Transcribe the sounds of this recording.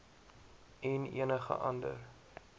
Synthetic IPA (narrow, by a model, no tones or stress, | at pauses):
ɛnḭənəχə̰ʔɐndə̰r